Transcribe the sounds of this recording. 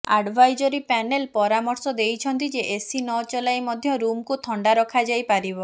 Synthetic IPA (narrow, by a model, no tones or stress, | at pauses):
aɖbʱajd͡ʒɔɾipɛnelpɔɾamɔɾsɔd̪ejt͡ʃʰɔnt̪id͡ʒeʔesinɔt͡ʃɔlajmɔd̪ʱjɔɾumkut̪ʰɔɳɖaɾɔkʰad͡ʒajpaɾibɔ